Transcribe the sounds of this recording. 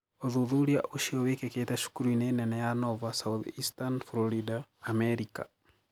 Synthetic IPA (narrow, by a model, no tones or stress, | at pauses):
oðuðuɾiaʔoʃiɔwekeketɛʃu̥kuɾuinɛnɛnɛjanɔvasauθistanflɔɾidaːmɛɾika̰